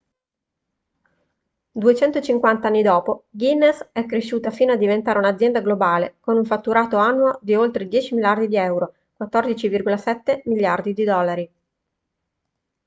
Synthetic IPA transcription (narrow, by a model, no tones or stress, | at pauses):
d̪uet͡ʃɛnt̪ot͡ʃiŋkwant̪aanːid̪ɔːpoɡinːesɛkːɾeʃːuːt̪afiːnoad̪ːivent̪aːɾeunad̪zjɛnd̪aɡlobaːlekonuɱfat̪ːuɾaːt̪oanːuod̪iolt̪ɾed̪jɛːt͡ʃimilard̪id̪iɛwɾo | kwat̪ːɔrd̪it͡ʃivirɡolasɛt̪ːemilːjard̪id̪id̪ɔlːaɾi